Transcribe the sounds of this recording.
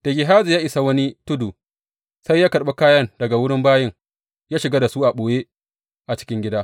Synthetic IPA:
d̥ɐ˨ɡʲɪ˨ɦaː˦zu˨jaː˦ʔɪ˨sa˨wɐ˦ni˦tʊ˦du˨ | sa˦jːaː˦kɐ˨ɓe˦kaː˦jɐ˦ndɐ˨ɡa˨wʊ˦ɽɪ˦mbaː˦jɪ˦ŋ | jaː˦ʃɪ˨ɡa˦da˨su˦ʔa˨ɓoː˨je˦ | ʔa˨t͡ʃɪ̥˦kʲɪ˦ŋɡʲɪ˦daː˦

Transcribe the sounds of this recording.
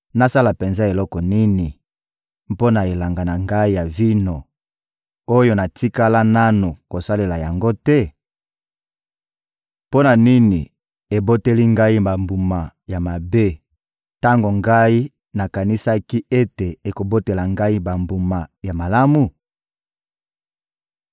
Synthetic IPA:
na˦sa˦la˨pe˨nza˦e˨lɔ˦kɔ˨ni˦ni˨ | mpo˦na˨e˨la˨ŋɡa˨na˨ŋɡa˦i˦ja˨vi˦no˨ | o˦jo˦na˨ti˦ka˦la˦na˦no˨ko˨sa˦le˨la˨ja˨ŋɡo˦tɛ˦ | po˦na˨ni˦ni˨ | e˨bo˦te˦li˦ŋɡa˦i˦ba˨mbu˨ma˨ja˨ma˨be˦ | ta˦ŋɡo˨ŋɡa˦i˦ | na˨ka˨ni˦sa˦ki˦e˦te˨e˨ko˨bo˦te˨la˨ŋɡa˦i˦ba˨mbu˨ma˨ja˨ma˨la˦mu˨

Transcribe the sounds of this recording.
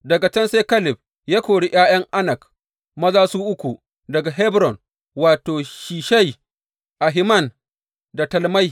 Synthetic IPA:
dɐ˨ɡa˨t͡ʃɐ˦nsa˦kɐ˦lɪ˨b̚ | jaː˦kʷoː˨ɽi˦ʔj̰aː˦j̰ɐ˦ŋʔa˦nɐ˨k | mɐ˦zaː˦suː˦ʔʊ˦kʷu˨ | dɐ˨ɡa˨ɦɛ˦bɾɔ˨n | waː˨toː˨ʃiː˨ʃa˦˨j | ʔa˨ɦɪ˦mɐ˦˨n | da˨tɐ˨lma˦j

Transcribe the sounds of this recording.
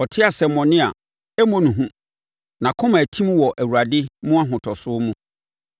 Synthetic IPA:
ɔ˨tʰɪ˦a˨sɛ˨mɔ̃˨nɪ̃˦a̰˨ | ɛ˦mõ˦nũ˨ɦũ˦ | nã˨kʰʊ̃˦mã˨tʰĩ˦mwɔ˨ʔæ˨wu˨ɾa˨dɪ˦mũ˦a˦ɦʊ̃˨tʰɔ˨sʊ˦mũ˦

